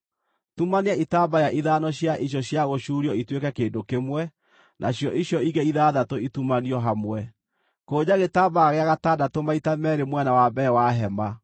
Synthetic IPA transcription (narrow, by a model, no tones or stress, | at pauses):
tumaneaitaːbajaʔiðanɔɕjaʔiɕjɔɕjaɣoʃuɾiɔitwekɛkeːndokemwɛ | nʔaɕjɔʔiɕjɔiɣɛiðaːðatoitumaniɔɦamwɛ | koːd͡ʑaɣetaːbaːɣeaɣatadatomaitamɛɾemwɛnawabɛwaɦɛma